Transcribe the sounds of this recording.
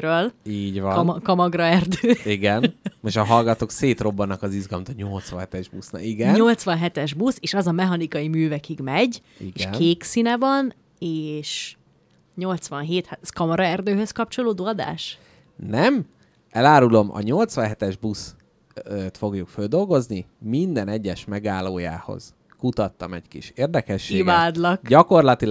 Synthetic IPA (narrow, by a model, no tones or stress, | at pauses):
ɾøːliːɟʋɒkɒmɒɡrɒɛrd̪øːiɡɛnmoʃɒɦɒlɡɒt̪oːkseːt̪ro̞bːɒnːɒkɒzizɡɒlmt̪ːɲo̞lt̪sʋɒ̰nɦɛt̪ɛʒbusnɒ̰iɡɛnɲo̞lt̪sʋɒnɦɛt̪ɛʒbuseːʃɒzɒmɛɦɒnikɒjimyːvɛkiɡmɛɟ | ḭɡeːʃnk̪eːksinɛvɒn | eːʃ | ɲo̞lt̪sʋɒnɦeːt̪hat̪ɛskɒmɒɾɒɛrd̪øːɦøskɒp̚t͡ʃo̞loːd̪oːɒd̪a̰ːʃ | nɛm | ɛlaːɾulo̞mʔɒ̰ɲo̞lt̪sʋɒnɦɛt̪ɛʒbus | t̪fo̞ɡjukføld̪o̞lɡo̞znimind̪ɛnɛɟːɛʃmɛɡaːlːoːja̰ːho̰z̥ | kut̪ɒt̪ːɒmɛ̰ɟkḭʃeːrd̪ɛkɛʃːeːiɡvaːd̪lɒkɟɒko̞rlɒt̪il